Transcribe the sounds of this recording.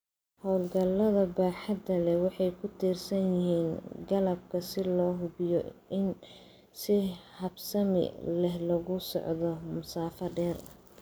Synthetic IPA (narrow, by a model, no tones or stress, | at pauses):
hɔwlɡɐlːɐðɐbaːħɑd̪ɐlɛwɑħɑjkʰʊt̪ʰiːrsɐnjɪɦiːnɡɐlɐb̚kʰɐsɪlɔːɦʊbɪjɔɪn | sɪhɐbsɐmɪ̰lɛhlɐɣʊsɔ̰ʕðɔmʊsaːfɐɖɛːrɐ